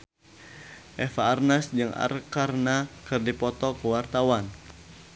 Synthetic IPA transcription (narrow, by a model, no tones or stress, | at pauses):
ʔɛfaːrnasd͡ʒɨŋʔa̰rkarnakɨrdipɔt̪ɔkəwart̪awan